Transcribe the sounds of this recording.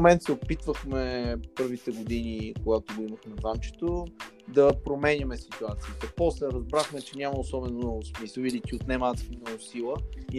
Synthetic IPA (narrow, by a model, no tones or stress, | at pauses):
mɛnt̪sɛopit̪vəxmɛpɤɾvit̪ɛɡod̪inikoɡat̪oɡoimɐxnɐzamt͡ʃɛ̥t̪o | d̪ɐpɾomɛnʲɐmɛsit̪uat̪siət̪ɐpɔslɛɾɐzbɾaxmɛt͡ʃɛnʲamɐosɔbɛnomnɔɡʊsmisvid̪it̪ʲiot̪nɛmat̪mnɔɡosilˠə